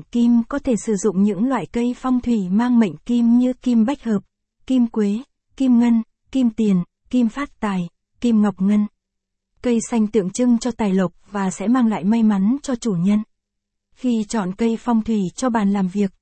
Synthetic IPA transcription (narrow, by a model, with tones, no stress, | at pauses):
ki˧mkɔ˨˦t̪ʰe˧˩sɨ˧˩zʊ̰˧˨ŋ͡mɲɨ̰˧˥ŋlwa̰ː˧˨jkə˧jfɔ˧wŋ͡mt̪ʰwi˧˩maː˧ŋmə̰˧˨ŋ̟ki˧mɲɨ˧ki˧mɓa˦˥k̟̚həː˨˩p̚ | ki˧mkwe˨˦ | ki˧mŋə˧n | ki˧mt̪i˨˩ən | ki˧mfaː˦˥t̚t̪aː˨˩j | ki˧mŋa˨˩wk͡p̚ŋə˧n | kə˧jsa˧jŋ̟t̪ɨ̰˧˨əŋt͡ɕɨ˧ŋt͡ɕɔ˧t̪aː˨˩jlə˨˩k͡p̚vaː˨˩sɛ̰˧˥maː˧ŋla̰ː˧˨jma˧jma˨˦nt͡ɕɔ˧t͡ɕu˧˩ɲə˧n | xi˧t͡ɕɔ̰˧˨nkə˧jfa˧wŋ͡mt̪ʰwi˧˩t͡ɕɔ˧ɓaː˨˩nlaː˨˩mvi˨˩ək̚